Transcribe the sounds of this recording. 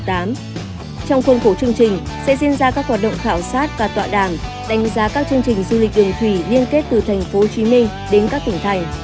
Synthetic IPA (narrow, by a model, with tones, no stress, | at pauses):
t̪aː˨˦m | t͡ɕɔ˧wŋ͡mxə˧wŋ͡mxo˧˩t͡ɕɨ˧əŋt͡ɕï˨˩ŋ̟ | sɛ̰˧˥zḭ˧ənzaː˧kaː˦˥k̚waː˨˩ɗə̰˧˨wŋ͡mt̪ʰaː˧˩wsaː˦˥t̚vaː˨˩t̪wa̰ː˧˨ɗaː˧˩m | ɗa˨˦jŋ̟zaː˨˦kaː˦˥k̚t͡ɕɨ˧əŋt͡ɕï˨˩ŋ̟zu˧li˨˩k̟̚ɗɨ˨˩əŋt̪ʰwi˧˩li˧ənke˦˥t̚t̪ɨ˨˩t̪ʰɛ˨˩jŋ̟fo˨˦t͡ɕi˨˦mï˧ŋ̟ | ɗe˨˦nkaː˦˥k̚t̪ï˧˩ŋt̪ʰa˨˩j